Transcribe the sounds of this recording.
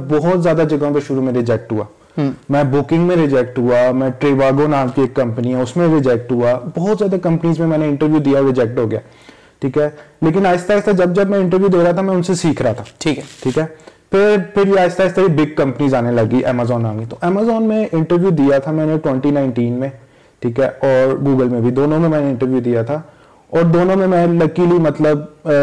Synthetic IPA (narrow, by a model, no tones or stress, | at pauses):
bɔɦʊt̪zjaːd̪ad͡ʒɐɡõpeʃʊɾumẽɾɪd͡ʒɛk̚ʈɦua̰ː | mɛ̃bʊkɪ̃ŋɡmẽɾɪd͡ʒɛk̚ʈɦuamɛ̃ʈɾeːʋaːɡonaːmkieːkːɐ̃mpəniɦɛ̃ʊsmẽɾɪd͡ʒɛk̚ʈɦuabɔɦɔt̪zjaːd̪akɐ̃mpniːzmẽmɛ̃ːneɪ̃ɳʈəɾʋjud̪ijaɔɾɪd͡ʒɛk̚ʈɦoːɡɐja̰ː | ʈʰiːkɦɛːleːk̬ɪnaːɪst̪aːɪst̪ad͡ʒɐb̚d͡ʒɐbmɛ̃ɪ̃ɳʈəɾʋjud̪eːɾaɦat̪ʰamɛ̃ʊnsesiːkʰɾaɦat̪ʰḁːʈʰiːkːʈʰiːkɦɛːpʰɪɾpʰɪɾjeaːɪst̪aːɪst̪aibɪɡ̚kɐ̃mpəniːzaːnelɐɡiʔɛ̰ːmaːzɔːnã̰ːŋɡit̪oʔɛːmaːzɔːnmẽʔɪ̃ɳʈəɾʋjud̪ijat̪ʰamɛ̃ːneʈwɛ̃ɳʈinãːɪɳʈiːnmẽ | ʈʰiːkɦɛːɔːɾɡuːɡəlmẽbʱid̪oːnõmẽmɛ̃ːneɪ̃ɳʈəɾʋjud̪ijat̪ʰa | ɔːɾd̪oːnõmẽmɛ̃ːlɐkiːlimɐt̪ləb